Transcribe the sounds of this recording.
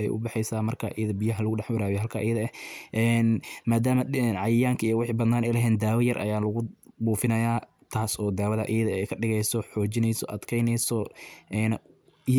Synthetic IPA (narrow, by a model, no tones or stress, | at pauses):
ɛ̰jʔʊ̰bɑħɛjsaːmɐrkʰɐʔɛːðɐbɪjɐɦɐlʊɣʊɖɛħbɐɾaːβɛɦɐlkʰaʔɛːðɐɛʔɛːnmaːd̪aːmɐɛnʕɑjɪjaːŋkʰɐijɔwɑħiːbɐd̪naːnɛjlɐɦɛːnd̪aːwɐjɐrʔɐ̰jaːlɐɣʊbuːfɪnɐjaː | t̪ʰaːsɔːd̪aːwɐðɐ̰ʔɛːðɐɛjkʰɐɖɪɣɛjsɔħɔːt͡ʃɪnɛjsɔ̰ʔɐd̪kʰɛjnɛjsɔʔɛːn